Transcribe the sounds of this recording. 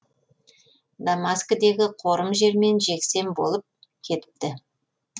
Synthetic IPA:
d̪amaskəd̪e̞ɡʲɪqʰo̞ɾəmʒe̞ɾme̞nʒe̞kse̞mbo̞̰lˠəp̚ | kʲʰe̞t̪ɪ̥p̚t̪ɪ

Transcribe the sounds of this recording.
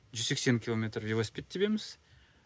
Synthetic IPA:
ʒʏzse̞kse̞ŋkʲilˠomet̪rvevospʲet̪̚ʰːebe̞mɪz̥

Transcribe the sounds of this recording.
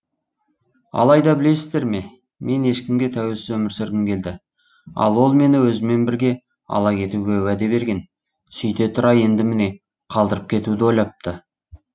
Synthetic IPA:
ɑ̰lˠɑjd̪ɑbɪle̞sɪzd̪e̞ɾme̞ | me̞ne̞ʃkʲɪmɡʲe̞t̪ʰæwe̞lsɪzwɵmɪɾsɪɾɡ̪ʲɪmkʲʰe̞ld̪ɪ | ɑ̰lˠwo̞lˠme̞nɪwɵzɪme̞nbɪɾɡʲe̞ | ɑ̰lˠɑkʲʰe̞t̪uɡʲe̞wæd̪e̞be̞ɾɡʲe̞n | sʏjt̪e̞t̪ʰʊɾɑje̞nd̪ɪmɪne̞ | qʰɑlˠd̪əɾəp̚kʲʰe̞t̪ud̪ɪwojlˠɑp̚t̪ə

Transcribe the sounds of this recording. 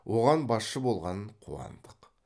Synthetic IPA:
wʔo̞ʁɑnbɑsʃəbo̞lˠʁɑnəɴqʰṵɑ̰nd̪əq

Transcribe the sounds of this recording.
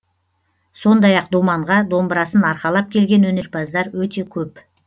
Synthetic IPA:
so̞nd̪ɑjɑq̚d̪umɑɴʁɑd̪o̞mbɾɑsənɑɾqɑlˠɑp̚kʲʰe̞lɡʲe̞nwɵne̞ɾpɑzd̪ɑɾwɵt̪e̞kʲʰɵp

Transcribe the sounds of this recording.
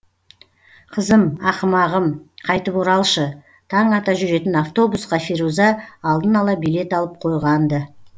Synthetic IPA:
qʰəzəmɑqəmɑʁəmqʰɑjt̪əpuɾɑlˠʃə | t̪ʰɑɴɑt̪ɑʒʏɾe̞t̪ɪnaft̪o̞busqɑfiɾuzɑːlˠd̪ənɑlˠɑbijle̞t̪ɑlˠəp̚qʰo̞jʁɑnd̪ə

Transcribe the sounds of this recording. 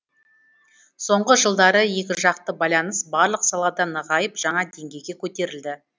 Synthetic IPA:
so̞ɴʁəʒəlˠd̪ɑɾəje̞kʲɪʒɑqt̪əbɑjlˠɑnəsbɑɾlˠəqsɑlˠɑd̪ɑnəʁɑjəpʒ̥ɑɴɑd̪e̞ŋɡʲe̞jɡʲe̞kʲʰɵt̪e̞ɾɪld̪ɪ

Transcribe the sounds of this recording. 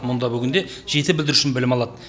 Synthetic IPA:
mʊnd̪ɑbʏɡʲɪnd̪e̞ʒ̥e̞t̪ɪbɪld̪ɪɾuʃɪnbɪlɪmɑlˠɑd̪ə

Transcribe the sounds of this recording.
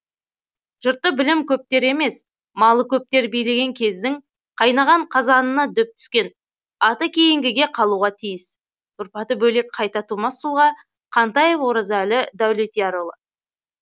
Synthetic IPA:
ʒ̥ʊɾt̪ːəbɪlɪmkʲʰɵp̚t̪e̞ɾe̞me̞s | mɑlˠəkʲʰɵp̚t̪e̞ɾbijle̞ɡʲe̞ŋkʲʰe̞zd̪ɪŋ | qʰɑjnɑʁɑɴqʰɑzɑnənɑd̪ʏp̚t̪ʰʏ̥skʲe̞n | ɑt̪əkʲʰejɪŋɡʲɪɡʲe̞qʰɑlˠuʁɑt̪ʰijɪs | t̪ʰʊɾpɑt̪əbɵle̞k̚qʰɑjt̪ɑt̪ʰumɑsːulˠʁɑ | qʰɑnt̪ɑjevwoɾɑzælɪd̪æwlet̪ijɑɾolˠə

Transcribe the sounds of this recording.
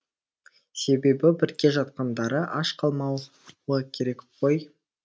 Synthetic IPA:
se̞be̞bɪbɪɾkʲe̞ʒɑt̪̚qɑnd̪ɑɾəʔɑʃqʰɑlˠmɑw | əkʲʰe̞ɾe̞kqʰo̞j

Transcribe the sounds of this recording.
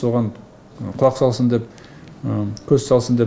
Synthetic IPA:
soʁɑɴ | qʰʊlˠɑqsɑlˠsənd̪e̞p̚ | kʲʰɵzsɑlˠsənd̪e

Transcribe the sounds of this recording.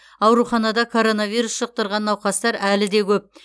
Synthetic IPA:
ɑwɾuχɑnɑd̪ɑkʰo̞ɾo̞navʲijɾusʃəq̚t̪əɾʁɑnːɑwqɑst̪ɑɾælɪd̪e̞kʲʰɵp̚

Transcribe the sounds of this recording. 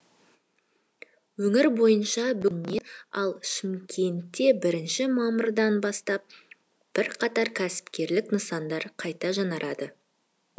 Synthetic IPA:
wɵŋɪɾbo̞jənʃɑbʏlmeɑlˠʃɪmkʲʰe̞nt̪ːe̞bɪɾɪnʃɪmɑmʊɾd̪ɑnbɑst̪ɑp̚ | b̥ɪɾqʰɑt̪ɑɾkʲʰæsɪ̥pkʲe̞ɾlɪknəsɑnd̪ɑɾqʰɑjt̪ɑʒɑnɑɾʔɑd̪ə

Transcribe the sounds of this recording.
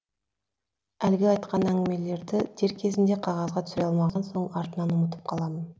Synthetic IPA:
ælɡʲɪɑjt̪̚qɑnæŋɡʲɪme̞le̞ɾd̪ɪd̪̥ʰe̞ɾkʲʰe̞zɪnd̪e̞qʰɑʁɑzʁɑt̪ʰʏsɪɾeɑlˠmɑʁɑnso̞ɴɑɾt̪ənɑnʊmət̪̬ə̥p̚qʰɑlˠɑmən

